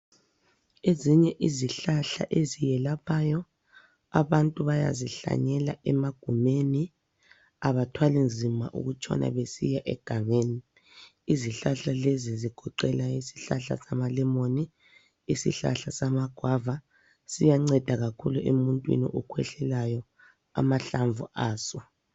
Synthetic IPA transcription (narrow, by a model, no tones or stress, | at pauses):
eziɲɛʔiziɬaɬa̰ʔezijɛlapʰajɔ | aβantʼuβaja̰ziɬa̰ɲɛlaʔɛmaɡ̥ʱumeni | aβatʰwalind͡zʱima̰ʔṵɣut͡ʃʰʼɔ̰na̰βesijaʔɛ̰ɡ̥ʱaŋeːni | iziɬaɬaleziziɡ̥ʱɔǃɛlaisi̥ɬaɬa̰samalɛmoni | isḭɬa̰ɬasamaɡ̥ʱwava | sijaŋ͡ǀɛd̥ʱaɣakʰuluʔemuntʼwḭnḭʔɔkʰwɛɬɛlajɔ | a̰maɬaɱvṵʔaːsɔ